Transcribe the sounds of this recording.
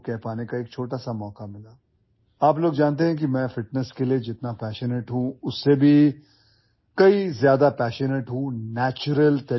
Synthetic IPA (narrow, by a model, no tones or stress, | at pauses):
kɛɦpaːnekaeːk̚t͡ʃʰoːʈasamɔːkamɪlaː | aːp̬loːɡd͡ʒaːnt̪̬eɦɛ̃k̬imɛ̃ːfɪʈnəskelied͡ʒɪt̪napɛːʃəneːʈɦũʊsːebʱi | kɐizjaːd̪apɛːʃəneʈɦũnɛːt͡ʃʊɾəlt̪ɐ